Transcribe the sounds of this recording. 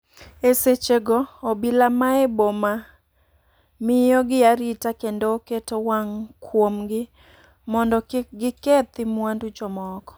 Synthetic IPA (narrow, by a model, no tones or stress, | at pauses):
eset͡ʃeɡɔːbilamaeboma | mɪjɔɡɪaɾitakendoːketowaŋkʰwomɡɪ | mɔndɔɡɪket̪ɪmwandut͡ʃɔmɔkɔ̥